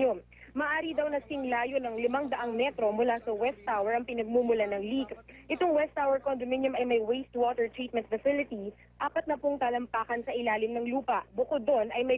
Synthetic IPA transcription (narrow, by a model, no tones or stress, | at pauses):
om | mɐʔaːɾid̪ɐwnɐsɪŋlaːjonɐŋlɪmaŋd̪ɐʔaŋmɛt̪ɾo̞mʊlasɐwɛst̪ːawɛɹɐŋpɪnɐɡ̚mumʊlanɐŋliɡʔɪt̪oŋwɛst̪ːawɛɹkond̪omɪnjʊmɐjmɐjwejst̪wot̪ɛɹt̪ɹit̪̚mɛnt̪̚fɐsɪlɪt̪i | ʔaːpɐt̪̚nɐpʊŋt̪aːlɐmpaːkɐnsɐʔɪlaːlɪmnɐŋluːpɐʔbʊkod̪ːonɐjmɐ